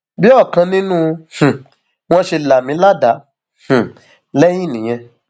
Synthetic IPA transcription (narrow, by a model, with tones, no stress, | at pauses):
bi˦ɔ˦˨kã˧nĩ˦nũ˦h̩˨ | w̃ɔ̃˦ʃe˧la˨mĩ˨˦la˦da˨˦ | h̩˨ | lɛ˦jĩ˦˨nĩ˨j̃ɛ̃˧